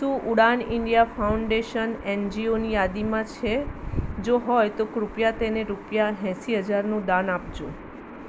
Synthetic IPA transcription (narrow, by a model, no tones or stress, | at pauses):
suʔuɽaniɳɖijafauɳɖeʃənend͡ʒionijad̪imãt͡ʃʰed͡ʒoɦɔjt̪okɾupjat̪eneɾupjaɦɛ̃siɦəd͡ʒaɾnũd̪anapd͡ʒũ